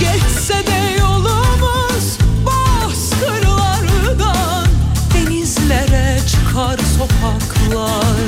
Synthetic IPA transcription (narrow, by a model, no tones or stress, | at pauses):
ɟ̥ɛt̪sɛd̪ɛjolˠumu | z̥ba | sk̪ɯɾlˠɑɾɯd̪a | nenizlʲɛɾɛt͡ʃʰɯkʰaɾso̞pʰɑkʰlˠaɾ